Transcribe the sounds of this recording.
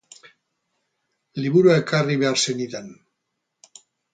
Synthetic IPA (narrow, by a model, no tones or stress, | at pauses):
liβuɾuaekariβeaɾse̞niðen